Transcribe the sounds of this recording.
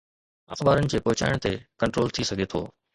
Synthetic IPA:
ɐ̰xbaːɾənɪ̆d͡ʑeːpɐɦʊt͡ɕa̰ːɪɽ̃t̪ekɐ̃ɳʈɾoːlt̪ʰisɐɡʱet̪ʰo̰ː

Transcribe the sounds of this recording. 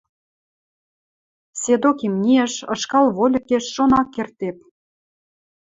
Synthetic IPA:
sed̪okimnʲiəʃɤ̆ʃkɑlβolʲə̆keʃːonɑkːert̪ep̚

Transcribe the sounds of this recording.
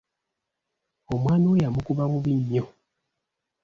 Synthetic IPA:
omwaːniwejamukuβamuβiɲːo

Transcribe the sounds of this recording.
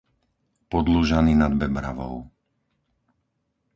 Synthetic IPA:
pɔd̪luʒaniːnad̪bɛbɾa̰ʋɔ̰ʊ

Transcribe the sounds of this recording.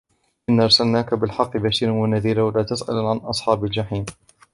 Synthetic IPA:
ʔɪnːaʔɑɾˤsalnaːkabɪlħɑqːɨbaʃiːɾanwanaðiːɾawalaːt̪asʔa̰lʕanʔɑsˤħɑːbald͡ʒaħiːn

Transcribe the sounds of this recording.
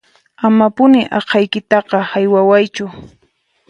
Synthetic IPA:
amapʊnɪʔɑqʰɑjkɪt̪ɑqɑhajwawajt͡ʃʊ

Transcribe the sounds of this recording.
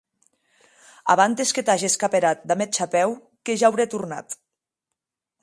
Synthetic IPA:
a̰βant̪esket̪aʒieskapeɾat̪̚d̪amet͡ʃapɛw | keʒaːwɾet̪uɾna̰t̪

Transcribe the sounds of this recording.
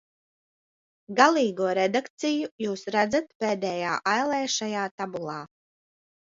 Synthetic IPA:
ɡalˠiːɡuɔɾɛd̪akt̪sijujuːsɾad̪zat̪̚peːd̪ɛːjaːʔajlˠɛːʃajaːt̪abulˠɑː

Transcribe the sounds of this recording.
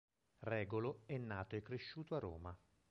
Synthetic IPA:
rɛːɡoloɛnːaːt̪oɛkːɾeʃːuːt̪oarːo̰ːma

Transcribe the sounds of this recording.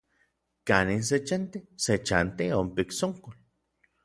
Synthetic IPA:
kanins̬et͡ʃant̪eset͡ʃant̪iompiksoŋkol

